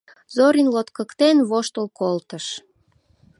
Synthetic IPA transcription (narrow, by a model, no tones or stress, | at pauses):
zoɾinlot̪kəkt̪enβoʃt̪əlkolt̪əʃ